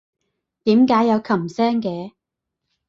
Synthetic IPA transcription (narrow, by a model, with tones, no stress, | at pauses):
t̪iː˨˥mkaː˨˥jːɐ˨˧wkʰɐ˨˩msɛː˥ŋkɛː˨˧